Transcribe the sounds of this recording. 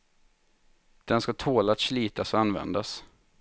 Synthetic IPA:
d̪̥ɛnskat̪ʰoːlat̪sliːt̪ʰasɔanvɛ̰nd̪as

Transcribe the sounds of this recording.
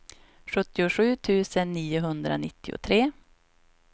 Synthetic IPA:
ʂɵt̪ːɪʊʂʉ̟ːt̪ʰʉ̟ːsənːiːʊɦɵnd̪ɾa̰nɪt̪ːɪʊ̰t̪ʰɾeː

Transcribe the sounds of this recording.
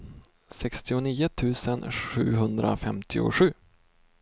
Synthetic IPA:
sɛkst̪ɪʊniːʊt̪ʰʉ̟ːsənɧʉ̟̰ːɦɵnd̪ɾʔa̰fɛmt̪ʰɪʊ̰ɧʉ̟ː

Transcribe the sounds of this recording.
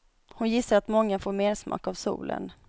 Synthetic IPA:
hʊnjɪsːaɾat̪mɔŋːafoːɾmeːɾʂmɑ̰ːkavsṵːlə̰n

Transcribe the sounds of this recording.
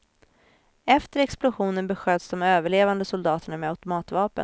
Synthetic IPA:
ɛft̪əɾɛksplʊɧuːnənbɛɧøːd̪sd̪ɔmøːvəɭeːvand̪əsʊld̪ɑːt̪əɳamɛat̪ʊmɑːt̪vɑːpə̰n

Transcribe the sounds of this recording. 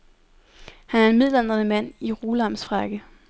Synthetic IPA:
hænæɐenmiðˠlæn̰d̥ʁɐnəmæn̰iʁuːlɑmsfʁɑ̈ɡ̥ə

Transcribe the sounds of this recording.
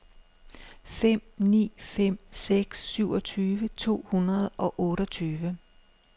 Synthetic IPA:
fem̰nḭːfem̰seɡ̥sːyʊ̰ɒ̽t͡sʰyːʋət͡sʰo̝̰ːhunɐð̞ˠɒ̽ʔɔ̽ːɾɒt͡sʰyːʋə

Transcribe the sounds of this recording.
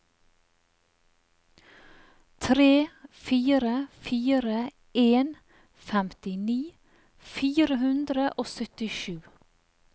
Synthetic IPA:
t̪ʰɾeːfiːɾəfiːɾə | eːn | fɛmt̪ɪniː | fiːɾəhʉnd̪ɾəʔoːsœt̪ɪʃʉː

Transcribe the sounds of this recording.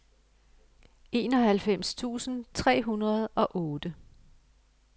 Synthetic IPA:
e̝ːnɒ̽hælfem̰st͡sʰṵːsn̩t͡sʰʁɛ̰ːɦunʁɐð̞̩ˠɒ̽ʔɔːd̥ə

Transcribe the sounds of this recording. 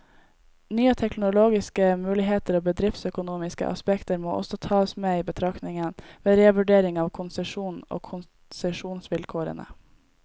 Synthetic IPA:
nyːət̪ʰɛknʊloːɡɪskəmʉːlɪɦeːt̪əɾoːbəd̪ɾɪft̪sœkʊnuːmɪskə̰ʔɑ̰spɛkt̪əɾmo̰ːʔɔ̰sɔt̪ʰɑːəsmeːiːbət̪ʰɾɑknɪŋənʋeːɾeːʋʉɖeːɾɪŋɑːʋkʰʊnsəʂuːnno̰ːkʰʊn | sɛʂuːnsʋɪlkʰoːɾə̰nə̰

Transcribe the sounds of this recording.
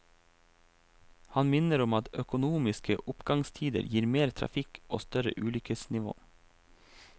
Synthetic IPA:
hɑnmɪnəɾɔmɑt̪œkʊnuːmɪskəʔʊpɡɑŋst̪ʰiːd̪ə̰ɾjiːɾmeːɾt̪ʰɾɑ̰fɪko̰ːst̪œɾə̰ʔʉːlʏkəsnɪʋo̰ː

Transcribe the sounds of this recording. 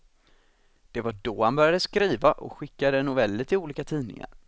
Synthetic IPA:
d̪̥ɛvaɖɔhanbœɾjad̪əskɾiːvaʔɔ̰kɧɪkːad̪ənʊvɛlːət̪ʰɪluːliːkat̪ʰiːnɪ̰ŋa̰ɾ

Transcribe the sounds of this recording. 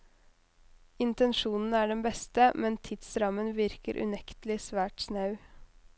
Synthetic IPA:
ɪnt̪ənʃuːnn̩æːɖɛnbɛst̪əmɛnt̪ʰɪd̪sɾɑmənʋɪɾkəɾʔʉ̰nɛkt̪əlɪsʋæːʈsnɑʉ

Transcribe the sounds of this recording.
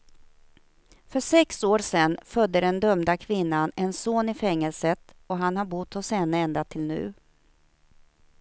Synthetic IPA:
fœʂɛksoːɾsɛnːfœd̪ːəɖɛnd̪œmd̪akʰvɪnːanɛnsoːnɪfɛŋːəlsət̪ | ɔɦanhaɾbʊt̪ːhɔsɛnəɛnd̪at̪ʰɪlnʉ̟̰ː

